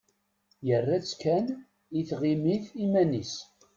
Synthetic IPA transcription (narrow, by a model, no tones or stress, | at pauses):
jərːæt͡sːkæn | iθʁimiθimænis